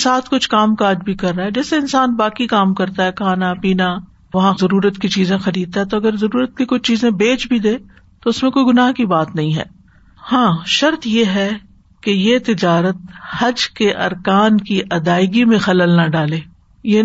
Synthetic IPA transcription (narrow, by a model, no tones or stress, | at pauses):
saːt̪ʰkʊt͡ʃʰkaːmkaːd͡ʒbʱikɐɾːaɦɛd͡ʒɛːseɪnsaːnbaːkikaːmkɐɾt̪aɦɛkʰaːnapiːna | ʋɐɦãzɐɾuːɾət̪kit͡ʃiːzẽxɐɾiːd̪̚t̪aɦɛt̪oɐɡəɾzɐɾuːɾət̪̚kikʊt͡ʃʰt͡ʃiːzẽbeːt͡ʃbʱid̪eː | t̪oʊsmẽkoːiɡʊnaːɦkibaːt̪nɐɦĩɦɛ̰ː | hãːʃɐɾt̪jeːɦɛ | kejet̪ɪd͡ʒaːɾət̪̚hɐd͡ʒkeʔɐɾkaːnkiʔɐd̪aːɪɡimẽxɐləlnaɖaːleː | je